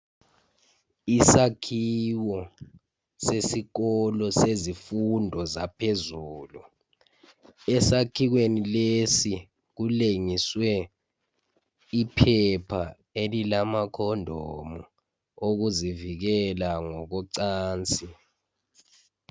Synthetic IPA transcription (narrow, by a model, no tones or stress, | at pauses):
isakʰiwɔ | sesik̬ɔlɔsezifundʱɔzapʰezuːlu | ɛsakʰik̬wenilesi | k̬uleŋiswɛ | ipʰɛpʰa | elilamakʰɔndʱɔmu | ok̬uzivik̬ɛlaŋɔk̬ɔǀaːnt͡sʼi